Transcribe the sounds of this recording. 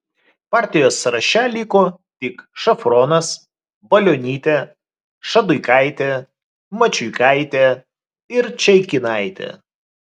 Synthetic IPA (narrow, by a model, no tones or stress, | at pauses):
pɑːˑɾʲt̪ʲɪjoːsɾɐʃʲɛlʲikoːt̪ʲɪkʃɐfɾɔːnɐs | bɐlʲoːnʲiːt̪ʲe | ʃɐd̪ʊɪkɐˑɪt̪ʲe | mɐt͡ʃʲʊɪkɐɪt̪ʲe | ɪɾt͡ʃʲɛɪkʲɪnɑˑɪt̪ʲɛ̰ː